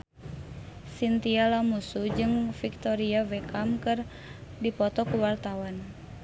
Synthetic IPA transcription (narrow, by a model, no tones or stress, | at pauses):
sint̪ialamusud͡ʒɨŋfik̚t̪ɔɾiavɛkamkɨr | dipɔt̪ɔkuwart̪awan